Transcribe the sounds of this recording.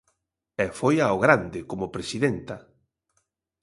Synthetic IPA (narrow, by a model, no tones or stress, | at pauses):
ɛfojaoɣɾand̪ɪkomʊpɾesiðent̪a